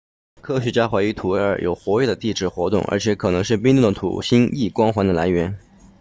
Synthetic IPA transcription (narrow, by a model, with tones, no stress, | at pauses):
kʰɤ˥ɕɥɛ˧˥t͡ɕja˥xwa˧˥ɪy˧˥t̪ʰu˨˩e˥ə̰˞˨˩jo̰˨˩ʊxwɔ˧˥ɛ˥˩d̪ə˩t̪i˥˩ʈ͡ʂɻ̩˨˥˩xwɔ˧˥t̪ʊ̰˥˩ŋʔə̰˞˧˥t͡ɕʰjɛ˧˥kʰɤ˨˩nɤ˧˥ŋʂ̬ɻ̩˥˩pi˥ŋt̪u˥˩d̪ə˩t̪ʰṵ˨˩ɕi˥ni˥˩kwɑ˥ŋxwa˧˥nd̪ə˨la˧˥ɪɥɛ˧˥n